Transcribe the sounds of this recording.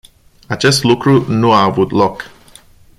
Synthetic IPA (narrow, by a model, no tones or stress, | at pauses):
at͡ʃe̞st̪lukɾunuaːvut̪lo̞k